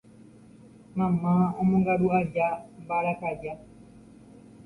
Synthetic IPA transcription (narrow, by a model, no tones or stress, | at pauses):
mamaɔmũŋɡaɗuad͡ʒam̩baɾakad͡ʒa